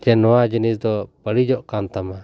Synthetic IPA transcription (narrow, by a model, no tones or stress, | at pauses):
d͡ʒɛnɔwad͡ʒinisd̪ɔbəɽid͡ʒɔʔkant̪ama